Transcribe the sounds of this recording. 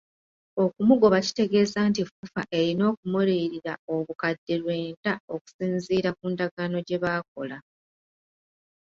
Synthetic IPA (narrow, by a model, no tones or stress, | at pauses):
o̞kumuɡo̞βaci̥te̞ɡe̞ːzaːntifufaʔe̞ɾino̞ːkumuɾiːɾiɾao̞βukadːe̞lwe̞ːntao̞ku̥siːnziːɾakuːndaɡaːno̞ɟe̞βaːko̞la